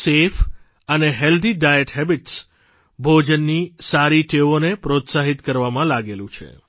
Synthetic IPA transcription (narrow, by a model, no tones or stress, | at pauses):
sef | əneɦɛld̪iɖajəʈɦɛbiʈs | bʱod͡ʒənːisaɾiʈeʋonepɾot̪saɦit̪kəɾʋamãlaɡelũt͡ʃʰḛ